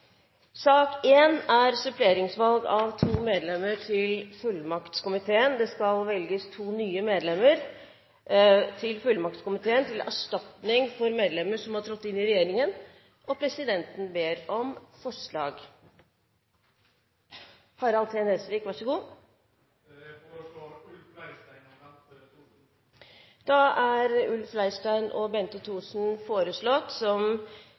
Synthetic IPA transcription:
sɑːkeːnæɾsʏpʰleːɾɪŋsʋɑlɡɑʋt̪ʰuːmeːd̪lɛmːəɾʈʰɪlfʉlmɑkt̪skʊmɪt̪ʰeːənd̪ɛskɑlʋɛlɡəst̪ʰuːnyːəmeːd̪lɛmːəɾ | t̪ʰɪlfʉlːmɑk̚t̪skʊmɪt̪ʰeːənt̪ʰɪlæ̰ʂʈɑt̪nɪŋfɔɾmeːd̪lɛmːəʂɔmhɑʈʰɾɔt̪ːɪnːɪɾɛjeːɾɪŋən | ʔɔpʰɾɛsɪd̪ɛnt̪n̩beːɾɔmfɔʂɭɑːɡ | hɑɾɑlt̪ʰeːnhɛsʋiːkʋɑʂəɡuː | d̪̥ɑæɾʉlflæɪsʈæɪnʔɔbɛnt̪ət̪ʰuːsn̩foːɾəsɭɔt̪sɔm

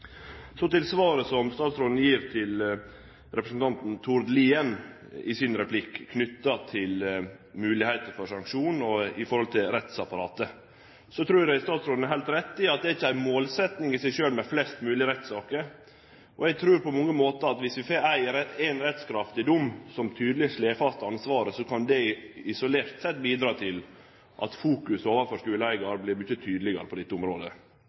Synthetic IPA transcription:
sɔt̪ɪlsʋɑːɾəsɔmst̪ɑːt̪sɾoːd̪n̩jiːɾt̪ʰɪl | ɾɛpɾəsən̩t̪ʰɑnt̪n̩t̪ʰʊɾd̪liːɛn | ɪ̰sɪnɾɛpʰlɪkkʰːnʏt̪ːɑt̪ʰɪlmʉːlɪhæɪt̪əɾfɔʂɑŋkʂuːn̩ɔɪfɔɾhɔlt̪ʰɪlɾɛt̪sɑpɑɾɑːt̪ə | sɔt̪ʰɾʉːdæɪst̪ɑːt̪sɾoːd̪n̩æɾɦælt̪ɾɛt̪ːɪɑt̪̚d̪ɛæɾɪçːəæɪmoːlsɛt̪nɪŋɪsæɪʂøːlmɛflɛst̪mʉːlɪəɾɛt̪sɑːkəɾ | ʔɔɛɡ̚t̪ʰɾʉːɾpɔmɔŋːəmoːt̪əɑt̪ʋɪsʋɪfeːɾæɪɾɛæɪnɾɛt̪skʰɾɑft̪ɪd̪ʊmsɔmt̪ʰyːd̪lɪʂleːfɑst̪əɑnsʋɑːɾəsɔkʰɑnd̪ɛɪsɔleːɾt̪sɛt̪biːd̪ɾɑːt̪ʰɪl | ʔɑ̰t̪fuːkʉsoːʋəɾfɔʂkʉːləæɪɡɑɾblɪɾbʉçət̪ʰyːd̪lɪɡɑ̰ɾəpʰɔd̪ɛt̪ːəʊmɾoːd̪ə̰

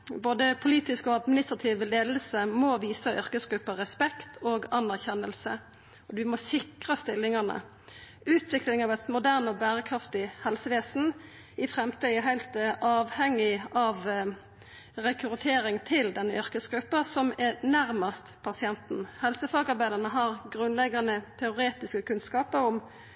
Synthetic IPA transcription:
boːd̪əpʰʊliːt̪ɪskɔɑd̪mɪnɪst̪ʁɑt̪ʰiːʋleːd̪l̩səmɔʋiːsəʔʏɾkəsɡɾʉpːɑʁɛspɛkt̪ʰoːɡɑnːæʁçɛnːəlsə̰ | ɔd̪ʉmɔsɪkʁəst̪ɪlːɪŋɑnə̰ | ʉːt̪ʰʋɪklɪŋɑʋɛt̪mʊd̪æʁnɔbæːɾəkʰʁɑft̪ɪhɛlsəʋeːsn̩ | ɪfʁɛmt̪iːɛɦæɪlt̪ʔɑːʋhɛŋːɪɑʋ | ʁɛkʰʉt̪ʰeːɾɪŋt̪ʰɪld̪ɛnːəʔʏɾkəsɡʁʉpːɑsɔmɛnæɾmɑst̪pʰɑsɪɛnt̪n̩hɛlsəfɑːɡɑɾbæɪd̪əʁnəɦɑʁɡʁʉnlɛɡːɑnət̪ʰɛʊɾeːt̪ɪskəkʰʉnskɑːpəɾʊm

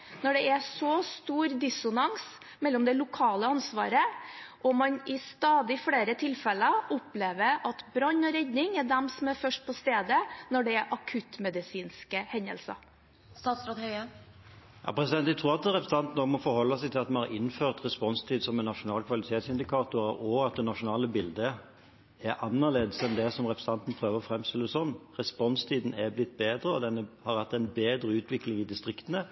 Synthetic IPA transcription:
nɔɖɛʔɛsɔst̪uːɾd̪ɪsʊnɑŋs | mɛlːɔmd̪ɛlʊkʰɑːləɑnsʋɑ̰ːɾəʔɔmɑnɪst̪ɑːd̪ɪfɽeːɾət̪ʰɪlfɛləɔpleːʋəɾɑt̪bɾɑɲːɔɾɛd̪nɪŋæɖɛmsɔmæɾfœʂʈ̚pʰɔst̪eːd̪ənɔɖɛæɾʔɑkʰʉt̪mɛd̪ɪsiːnskəhɛnːə̰lsɑ̰ | st̪ɑːt̪sɾɑt̪hœʏə | jɑ̰ːpʰɾɛsɪd̪ɛnæɪt̪ʰɾuːʁɑt̪ʁɛpɾəsɑnt̪n̩ɔːmɔfɔɾhɔlːɑsɛɪt̪ʰɪlɑt̪mɑnhɑɾɪnːføːʁt̪ʁɛspɔnst̪ʰiːd̪sɔmɛnːɑʂʊnɑːlkʰʋɑlɪt̪ʰeːt̪sɪnd̪ɪkʰɑːt̪ʊɔɑt̪̚d̪ɛnɑʂʊnɑːləbɪld̪ə | æɾʔɑnːəʁleːd̪əsɛnd̪ɛsɔmʁɛpɾəsɑnt̪n̩pʰɾøːʋəɾɔfɾɛmst̪ɪlːəsɔnːʁɛspɔnst̪ʰiːd̪n̩ɛblɪt̪̚ːbeːd̪ɾəɔd̪ɛnəhɑɾhæt̪ːæɪnbeːd̪ɾəʉːt̪ʰʋɪklɪŋɪd̪ɪst̪ʁɪkt̪ənə

